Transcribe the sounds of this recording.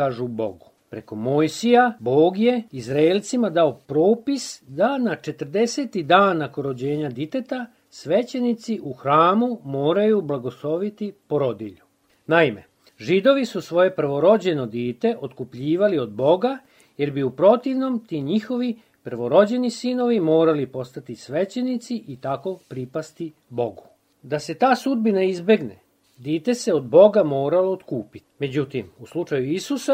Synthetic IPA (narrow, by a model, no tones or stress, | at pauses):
aːʒubo̞̰ɡu | pɾe̞ko̞mojsijabo̞ːɡje̞izɾaelʲˠt̪simad̪aopɾo̞ːpisd̪anat͡ʃe̞t̪ər̩d̪e̞se̞ːt̪id̪aːnːakoɾo̞d͡ʑe̞ːɲad̪it̪e̞t̪a | sʋe̞t͡ɕenit̪siʔuxɾaːmumo̞ːɾajublˠaɡo̞slˠo̞ʋit̪ipo̞ɾo̞d̪iʎu | naime̞̰ | ʒid̪o̞ʋisusʋo̞je̞pr̩ʋo̞ɾo̞d͡ʑe̞no̞d̪iːt̪e̞ʔot̪kupʎiːʋalio̞d̪bo̞ɡa | je̞ɾbiupɾo̞t̪iʋno̞mt̪iːɲixo̞ʋi | pr̩ʋo̞ɾo̞d͡ʑe̞nisino̞ʋimo̞ːɾalipo̞st̪at̪isʋet͡ɕe̞nit̪siʔit̪ako̞pɾipast̪i | bo̞ɡu | d̪ase̞t̪aːsud̪̚binaizbe̞ɡnḛ | d̪iːt̪e̞se̞od̪bo̞ɡamo̞ːɾalo̞ːt̪kuːpi̥t̪me̞d͡ʑut̪imuslˠut͡ʂajuisusa